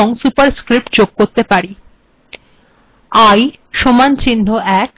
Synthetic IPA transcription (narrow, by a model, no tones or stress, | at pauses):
oŋsupaɾskɾip̚ʈ̚d͡ʑoɡ̚koɾt̪epaɾi | aj | ʃomant͡ɕinːoɛk̚